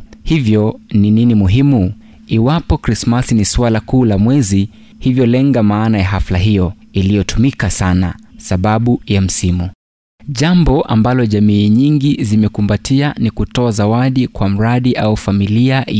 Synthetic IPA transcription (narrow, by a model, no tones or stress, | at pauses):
hivjɔnininimuɦimu | iwapɔkɾismasiniswalakuːlamwɛzi | hivjɔlɛŋɡamaːnajaɦaflaɦijɔ | ilijɔtumikasana̰saɓaɓujam̩simu | ʄambɔʔa̰mbalɔʄamiːɲiŋɡizimɛkumbatʰianikutɔazawaɗikwam̩ɾaɗiʔaufamilia